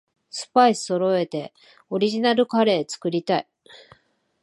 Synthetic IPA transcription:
sɨ̥paisɨ̥so̞ɾo̞e̞t̪e̞ | o̞ɾʲiʑinaɾɯ̟kaɾe̞ːt͡sɨ̥kɯ̟ɾʲit̪ai

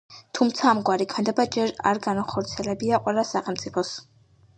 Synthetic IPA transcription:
t̪ʰumt̪sʰaːmɡwaɾikʰmɛnd̪ɛbad͡ʒɛɾa̰ɾɡanaχɔɾt̪sʰiɛlɛbiaqʼwɛlˠasaχɛlmt̪sʼipʰɔs

